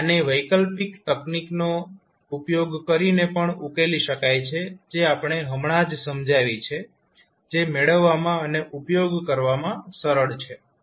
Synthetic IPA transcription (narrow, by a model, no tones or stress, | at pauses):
aneʋəjkəlpikt̪əknikno | upjoɡkəɾinepəɳukeliʃəkajt͡ʃʰed͡ʒeapɳ̃eɦəmɳ̃ad͡ʒsəmd͡ʒaʋit͡ʃʰe | d͡ʒemeɭəʋːamãəneʔupjoɡkəɾʋamãsəɾəɭt͡ʃʰe